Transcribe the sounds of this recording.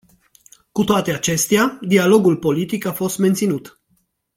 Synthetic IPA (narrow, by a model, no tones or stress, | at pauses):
kut̪oat̪e̞at͡ʃe̞st̪ead̪ialo̞ɡulpo̞lit̪ikafo̞st̪me̞nt̪sinut̪